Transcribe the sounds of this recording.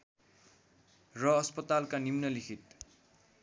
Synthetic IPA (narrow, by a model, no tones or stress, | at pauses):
rʌʌspʌt̪alkanimnʌlikʰit̪̚